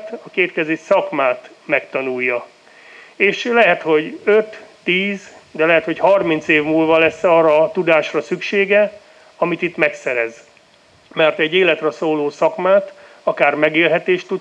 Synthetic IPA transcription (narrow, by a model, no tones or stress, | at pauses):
t̪ɒkeːt̪̚kɛzeːʃsɒkmaːt̪mɛkt̪ɒnujːɒ | eːʃlɛɦɛt̪ho̞ɟøt̪ː | iːzd̪ɛlɛɦɛt̪ho̞chɒrmint̪seːvmuːlvɒlɛsːɒːrɒt̪ud̪aːʃrɒsykʃeːɡɛ | ɒmit̪it̪mɛksɛɾɛz | mɛrt̪ɛɟːeːlɛt̪rɛsoːloːsɒkmaːt̪ | ɒkaːrmɛɡeːlɦɛt̪eːʃt̪ːud̪